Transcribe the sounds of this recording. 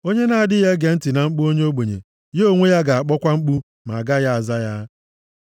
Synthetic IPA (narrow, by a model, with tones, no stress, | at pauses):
o˦ɲe˦na˨a˨dɪ˦ɦe˦ɡe˨n̩˦tɪ˨na˨ŋ͡m̩˦k͡pu˦o˦ɲe˦o˦ɡ͡bo˨ɲḛ˨ | je˦o˦˨ŋʷe˦ja˦ɡa˨a˨k͡pɔ˦kʷa˦ŋ͡m̩˦k͡pu˦ | ma˨a˨ɡa˦ja˦a˨za˦ja˦